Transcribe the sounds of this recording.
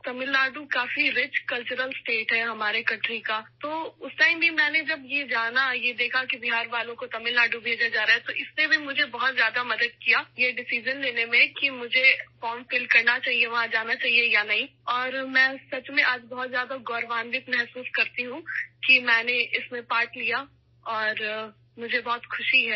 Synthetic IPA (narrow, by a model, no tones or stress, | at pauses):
t̪ɐmɪlːaːɖukaːfiɾɪt͡ʃkɐlt͡ʃʊɾəlsʈeːʈɦɛɦɐmaːɾekɐ̃ɳʈɾikat̪oːʊsʈaːɪmbʱimɛ̃ːned͡ʒɐbjed͡ʒaːnajed̪eːkʰakibɪɦaːɾʋaːlõkot̪ɐmɪlːaːɖubʱeːd͡ʒad͡ʒaːɾaːɦɛt̪oʔɪssebʱimʊd͡ʒʱebɐɦɔt̪zjaːd̪amɐd̪əd̪̚kijaːjeɖɪsiːd͡ʒənleːnemẽkimʊd͡ʒʱefɔːɾmfɪlkɐɾnat͡ʃaːɦieʋɐɦãd͡ʒaːnat͡ʃaːɦiejanɐɦĩɔːɾmɛ̃ːsɐt͡ʃmẽʔaːd͡ʒbɐɦɔt̪zjaːd̪aɡɔːɾʋãːnd̪it̪mɛɦsuːskɐɾt̪iɦũkimɛ̃ːneɪsmẽpaːʈlija | ɔːɾ | mʊd͡ʒʱebɔːt̪xʰʊʃiɦɛ